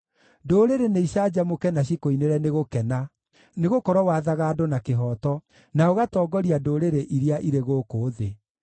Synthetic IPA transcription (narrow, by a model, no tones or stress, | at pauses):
doːɾeɾeneiɕad͡ʑamokɛnaɕikoineɾɛneɣokɛna | neɣokɔɾwɔwaðaɣaːdonakeɦɔːtɔ | naoɣatɔːɡɔɾiadoɾeɾeʔiɾeaʔiɾeɣoːkoːðe